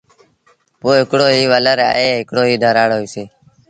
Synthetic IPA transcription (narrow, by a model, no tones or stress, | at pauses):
poːɦɪkɽoːɦiːʋələɾa̰ːɦeːɦɪkɽoːɦiːd̪ʱəɾaːɽoːiːseː